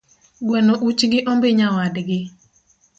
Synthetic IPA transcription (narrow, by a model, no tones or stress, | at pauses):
ɡwɛnoʔut͡ʃɡɪʔɔmbɪɲawadɡɪ